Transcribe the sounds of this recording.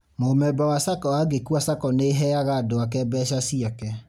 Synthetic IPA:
momɛbawasakɔwaɡekuasakɔneɦɛaɣadoakɛbɛʃasiakɛ

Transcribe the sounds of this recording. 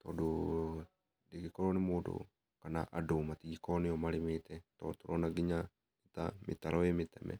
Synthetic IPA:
t̪ɔdu | diɡikɔɾɔnimudṵ | kanaʔadomat̪iɡikɔniɔmaɾimit̪ɛt̪ɔt̪ɔɾonaɡiɲa | nit̪a̰mḭt̪aɾʔɔemit̪ɛ̰mɛ̰

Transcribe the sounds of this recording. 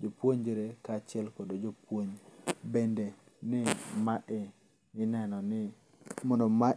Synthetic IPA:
d͡ʒopwoɲd͡ʒiɾekat͡ʃɪɛlkodod͡ʒopwoɲbende | nɪmaʔɛ | ɪnɛnɔnɪ | mɔndɔma

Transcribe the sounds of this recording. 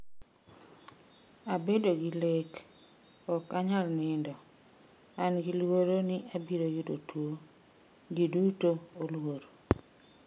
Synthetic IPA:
abedoɡɪlek | ɔkaɲalnɪndɔ | anɡɪlwoɾonɪʔabiɾojʊdotwo | ɡidutoolwoɾo

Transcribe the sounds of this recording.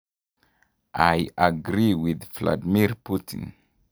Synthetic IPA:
ʔajaɡɹiwɪðvla̰dimiɹputʰḭ̃n

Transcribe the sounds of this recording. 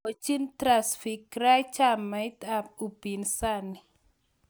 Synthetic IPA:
ot͡ʃint̪ɾasfikɾajt͡ʃamajt̪ap̚ub̥insani

